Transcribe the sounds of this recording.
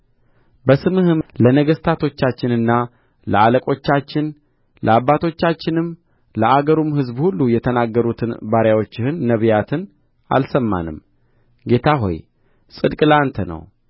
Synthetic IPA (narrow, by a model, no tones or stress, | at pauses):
bəsɨmɨhɨmlənəɡəst̪ʰat̪ʰo̞t͡ʃːat͡ʃːɪnɨnːa | lə̰aləkʼo̞t͡ʃːat͡ʃːɪn | ləabːat̪ʰo̞t͡ʃːat͡ʃːɪnɨm | ləaɡəɾumhɨzbhulːujɛt̪ʰənaɡːəɾut̪ʰɨnbaɾjawo̞t͡ʃːɪhɨnːəβjat̪ʰɨn | a̰lsəmːa̰nɨmː | ɡe̞t̪ʰaɦo̞̰j | sʼɨd̪kʼlant̪ʰənə̰w